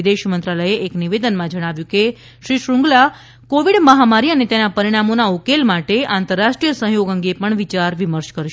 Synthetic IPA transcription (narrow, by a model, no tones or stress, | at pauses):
d̪eʃmənt̪ɾaləjeʔːkniʋed̪ənmãd͡ʒəɽ̃aʋjũke | ʃɾiʃɾũŋɡla | koʋiɽməɦamaɾiənet̪enapəɾiɽ̃amonaukelmaʈeãnt̪əɾːaʃʈɾijəsə̃ɦjoɡə̃ŋɡepəɳʋit͡ʃaɾʋiməɾt͡ʃkəɾʃ